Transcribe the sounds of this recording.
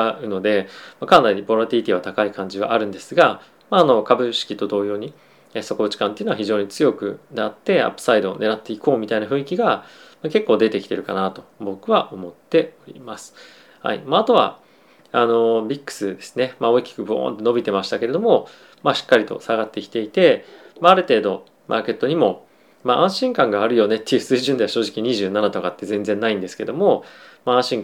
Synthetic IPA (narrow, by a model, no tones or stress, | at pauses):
ɯ̟no̞d̪e̞makãnd̪aiɲibo̞ɾat̪ʲiit̪ʲiβ̞at̪akaikãɲ̟d͡ʑiβa̰ʔaɾɯ̟̃nd̪e̞sɨɡa | maːno̞kabɯ̟ɕi̥kʲit̪o̞d̪o̞ːjo̞ːɲ̟i | eso̞ko̞bɯ̟t͡ɕi̥kãneɯ̟noaçiʑo̞ːɲ̟it͡sɨjo̞kɯ̟̰nat̪ːe̞a̰pːɯ̟̥said̪o̞̰ne̞ɾat̪ːe̞iko̞ːmʲit̪ainaɸɯ̟̃ɰikʲiɡa | make̞kːo̞ːd̪e̞t̪e̞kʲi̥t̪e̞ɾɯ̟kanat̪o̞bo̞kɯ̟βaʔo̞mo̞t̪ːe̞o̞ɾʲḭmasɨ̥ | ha̰ḭmaːt̪o̞β̞a̰ | ano̞bʲikːɯ̥sɨd̪e̞sɨne̞mao̞ikʲi̥kɯ̟boo̰ːnt̪o̞no̞bʲit̪e̞maɕi̥t̪ake̞ɾe̞d̪o̞mo̞ | maɕi̥kːaɾʲit̪o̞̰saɡat̪ːe̞kʲi̥t̪e̞it̪e̞maːɾɯ̟t̪e̞ːd̪o̞ | mʔa̰ːke̞t̪ːo̞ɲ̟imo̞ | maʔãɰ̃ɕĩŋkãŋɡaːɾɯ̟jo̞ne̞t̪ːe̞iɯ̟sɨːʑɨ̃nd̪e̞aɕo̞ːʑikʲiɲ̟iʑɨːnanat̪o̞kat̪ːe̞zẽ̞nd͡zẽ̞nːaĩnd̪e̞sɨ̥ke̞d̪o̞mo̞maãɕĩŋ